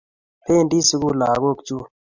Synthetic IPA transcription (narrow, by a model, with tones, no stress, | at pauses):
pʰeː˦nɖiː˦sɪ˦ɡuː˦laː˨ɡoːkt͡ʃuː˦